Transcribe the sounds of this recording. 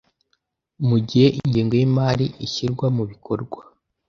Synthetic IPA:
muɟihe̞ʔiɲɟiːŋɡo̞jimaːɾiʔiçiɾɡwamuβikʰo̞ɾɡwa

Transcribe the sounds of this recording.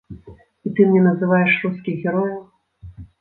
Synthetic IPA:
it̪ɨmʲnʲɛnɐzɨvajɛʂruskʲiɣʲɛɾɔjɐw

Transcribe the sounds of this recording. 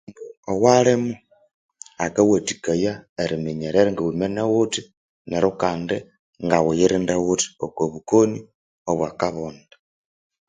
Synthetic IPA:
uowalemu | akawatikajaeɾimiɲeɾeɾeŋɡawumenawuti | neɾokaːnde | ŋɡawujiɾindawuti̥okwoβukoni | oβwakaβoːnda

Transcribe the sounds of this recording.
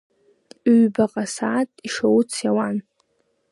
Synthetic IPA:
yɥbaqʼasaːtʼiʂowt͡sʰjawan

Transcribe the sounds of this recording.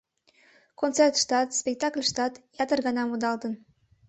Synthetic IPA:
kont͡sert̪ʃt̪ɑt̪spʲek̚t̪ɑklʲʃt̪ɑt̪jɑt̪ərɡɑnɑmud̪ɑlˠd̪ə̆n

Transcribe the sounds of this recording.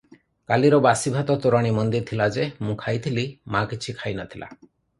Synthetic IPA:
kaliɾɔbasibʱat̪ɔt̪uɾaɽ̃imɔnd̪iɾt̪ʰilad͡ʒemũkʰajt̪ʰilimakit͡ʃʰikʰajnɔt̪ʰilʔa̰

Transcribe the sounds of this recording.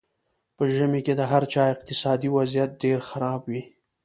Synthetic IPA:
pəʒəmeked̪əɦaɾt͡ʃɑɪq̚t̪ɪsɑd̪iwazijat̪̚ɖeɾxaɾɑbwi

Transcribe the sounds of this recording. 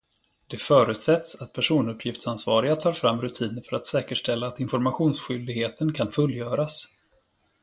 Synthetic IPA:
d̪̥ɛfœːɾʉ̟ːt̪sɛt̪sat̪̚pʰæʂuːnɵpʰːjɪft̪sansvɑːɾɪɡat̪ʰɑːɾfɾamːɾɵt̪ʰiːnəɾfœɾat̪sɛːkəʂʈɛlːaːt̪ɪnfɔɾmaɧuːnsɧʏld̪ɪɡheːt̪ənkʰanfɵlːjœːɾas

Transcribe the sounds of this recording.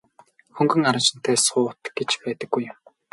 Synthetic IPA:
xɵŋɡɵ̆ŋaɾə̆t͡ɕɪ̆n̥t̪ʰæːsʊːt̪ɡ̥et͡ɕpæːt̪ə̆ɡ̥ːujʊ̆m

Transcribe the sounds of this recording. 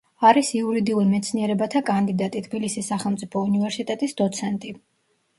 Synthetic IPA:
aɾisiuɾid̪iuɾimɛt̪sʰniɛɾɛbat̪ʰakʼand̪id̪at̪ʼit̪ʰbilisisːaχɛlˠmt̪sʼipʰɔunivɛɾsit̪ʼɛt̪ʼisd̪ɔt̪sʰɛnt̪ʼi

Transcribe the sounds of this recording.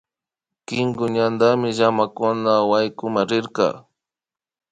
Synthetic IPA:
kɪŋɡʊɲand̪amɪʒamakʊnawajkʊmaɾɪɾqɑ̰

